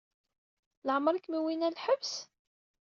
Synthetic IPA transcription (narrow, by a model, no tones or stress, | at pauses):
ləʕəmɾəkmiwinælħəvs